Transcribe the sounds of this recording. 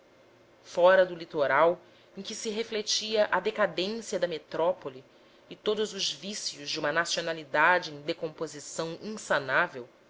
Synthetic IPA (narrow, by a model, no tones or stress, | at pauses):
fɔɾɐd̪ʊlit̪oɾaw | ẽj̃kɪsɪɦeflet͡ʃiɐʔɐd̪ekad̪ẽsiɐd̪ɐmet̪ɾɔpoliː | t̪od̪ʊzʊzvisiʊzd͡ʒɪũmɐnasionalid̪ad͡ʒɪẽj̃d̪ekõmpozisɐ̃w̃ẽsanavew